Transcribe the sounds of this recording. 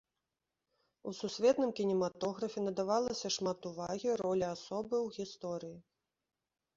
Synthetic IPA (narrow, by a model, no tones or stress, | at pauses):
ususʲvʲɛt̪nɨmkʲinʲimat̪ɔɣɾɐfʲɛnɐd̪avalˠɐsʲɐʂmat̪uvaɣʲiɾɔlʲiasɔbɨwɣʲist̪ɔɾɨji